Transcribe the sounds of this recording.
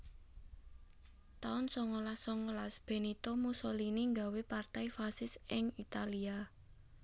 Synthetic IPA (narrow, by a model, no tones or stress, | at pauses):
t̪aʊnsɔŋolasːɔŋolasb̥e̤nit̪omusɔliniŋɡa̤wepart̪aifasɪsɪŋit̪alia